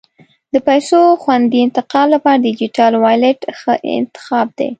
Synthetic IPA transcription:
d̪əpajsoxwand̪iɪnt̪ɪqɑlːapɑɾad̪id͡ʒiʈɑlwɑjleʈxəʔɪ̰nt̪ɪ̥xɑb̚d̪ḛ

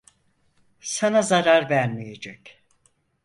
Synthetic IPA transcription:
sanazaɾaɾvæɾmijed͡ʒɛc

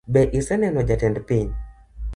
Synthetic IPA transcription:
bɛʔisɛnɛnɔd͡ʒatɛndpiɲ

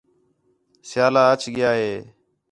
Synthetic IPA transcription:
sɪjaːlaːət͡ʃʰɠɪjaːɦeː

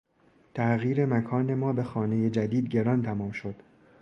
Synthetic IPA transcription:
t̪ʰæʔɣiːɾe̞mækʰɒːne̞mɒːbe̞xɒːne̞je̞d͡ʒæd̪iːd̪̚ɟe̞ɾɒːnt̪ʰæmɒːmʃod̪̥

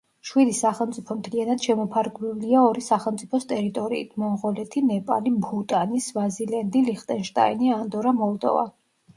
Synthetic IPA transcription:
ʃwid̪isaχɛlˠmt̪sʼipʰɔmt̪ʰlianad̪̥ʃɛmɔpʰaɾɡɛliaɔɾisaχɛlˠmt̪sʼipʰɔst̪ʼɛɾit̪ʼɔɾḭːt̪ʰmɔʁɔlɛt̪ʰinɛpʼa̰libut̪ʼanisvazilɛnd̪iliχt̪ʼɛnʃt̪ʼa̰iniand̪ɔɾamɔlˠd̪ɔ̰va̰

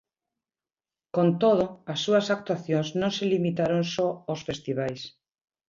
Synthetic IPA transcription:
kont̪oð̞ʊasːuɐsak̚t̪waθjoŋsnõŋselimit̪aɾoŋsɔosfest̪iβajs

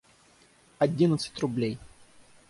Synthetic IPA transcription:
ɐdʲinət̪sɨ̥tʲrʊblʲej

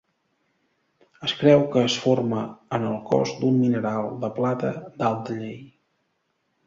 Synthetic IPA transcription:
əskɾɛwkəːsforməənəlˠkɔ̰zd̪umːinəɾalˠd̪əplat̪əd̪alˠt̪əʎej

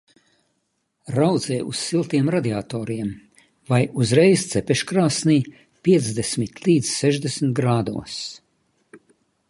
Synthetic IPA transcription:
ɾawd̪zɛːjṵssilˠt̪iɛmɾad̪iaːt̪oːɾiɛm | vajʔuzɾɛjst̪sɛpɛʃkɾaːsniː | pʲiɛt̪zd̪esmit̪lʲiːd̪z̥sɛʒd̪esmt̪ɡɾaːd̪ṵɔs

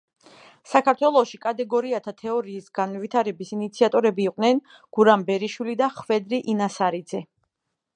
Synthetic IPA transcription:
sakʰaɾt̪ʰwɛlˠɔʃikʼat̪ʼɛɡɔɾiat̪ʰat̪ʰɛɔɾiːsɡ̥anvit̪ʰaɾɛbisinit̪sʰiat̪ʼɔɾɛbiːqʼnɛn | ɡ̥uɾambɛɾiʃwilid̪aχvɛd̪ɾiʔinasaɾid̪zɛ

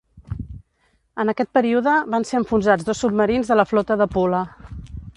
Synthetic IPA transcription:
ənəkɛt̪̚pəɾiuðəβanseɾəɱfunʒad͡zd̪osːub̚məɾinzðələflɔt̪əðəpulə

